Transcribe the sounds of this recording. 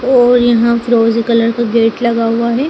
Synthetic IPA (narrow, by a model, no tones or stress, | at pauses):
ɔːɾjɐɦãfɾoːzikɐləɾkaɡeːʈlɐɡaɦuaɦɛː